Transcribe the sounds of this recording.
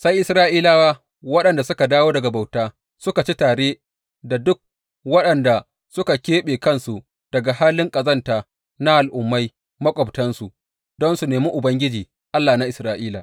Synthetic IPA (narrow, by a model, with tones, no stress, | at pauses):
sa˦jʔɪ˨sɾaː˦ʔiː˦laː˦waː˦ | wɐ˦ɗɐ˨nda˨sʊ˦ka˨daː˦woː˦dɐ˨ɡa˨ba˨wtaː˦ | sʊ˦ka˨t͡ʃi˦taː˨ɽeː˦ | da˨dʊ˦k̚ | wɐ˦ɗɐ˨nda˨ | sʊ˦ka˨kʲeː˦ɓeː˨kɐ˦nsu˨ | d̥ɐ˨ɡa˨haː˦lɪ˦ŋkʼɐ˨zɐ˦ntaː˨ | na˦ʔa˨lʔʊ˨mːa˦j | mɐ˦kʷʼɔ˨btɐ˦nsu˨ | dɔ˦nsu˨neː˨mi˦ʔʊ˨bɐ˦ŋɡʲɪ˦d͡ʒiː˨ | ʔa˦lːaː˨na˦ʔɪ˨sɾaː˦ʔiː˦la˨